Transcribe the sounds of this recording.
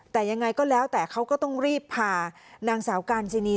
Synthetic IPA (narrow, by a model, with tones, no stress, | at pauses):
t̪ɛː˨˩ja˧ŋːa˧jkɔː˥˩lɛː˦˥wt̪ɛː˨˩kʰa˦˥wkɔː˥˩t̪ɔ˥˩ŋɾiː˥˩pʰːaː˧ | naː˧ŋsaː˩˦wkaː˧nsi˧niː˧